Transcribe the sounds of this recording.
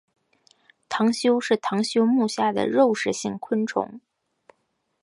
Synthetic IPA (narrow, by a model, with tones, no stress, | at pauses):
t̪ʰɑ˧˥ŋɕjo˥ʊʂɻ̩˥˩t̪ʰɑ˧˥ŋɕjo˥ʊmu˥˧˩ɕja˥˩d̪ə̰˩ɻo˥˧ʊʂɻ̩˥˩ɕi˥˩ŋkʰwə˥nʈ͡ʂʰʊ̰˧˥˦ŋ